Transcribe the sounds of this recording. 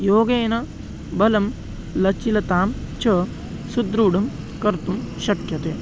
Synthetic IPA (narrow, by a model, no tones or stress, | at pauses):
joːɡeːnɐ | bɐlɐm | lɐt͡ʃilɐt̪aːm | t͡ʃɐ | sud̪ɾuːɽɐm | kɐɾt̪umʃɐkjɐt̪eː